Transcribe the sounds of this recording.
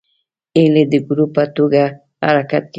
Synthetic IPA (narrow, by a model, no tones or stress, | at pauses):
eled̪ɪɡɾʊpat̪oɢɑ | a̰ɾakat̪k